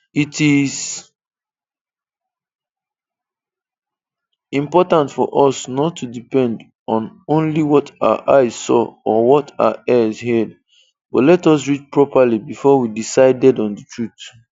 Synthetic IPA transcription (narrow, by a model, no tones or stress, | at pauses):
itiz | ĩmpɔtãntfɔʔɔsnɔtʰːudipɛ̃nd | ɔ̃nõnliwɔtʰaə̰ʔaɪz̥sɔ̰ɔwɔtʰaʊəɛzhɛd | b̥ɔtlɛtɔs̬ɹit͡ʃpɹɔpalibifɔwidisaɪdɛdɔ̃ndətʰɹut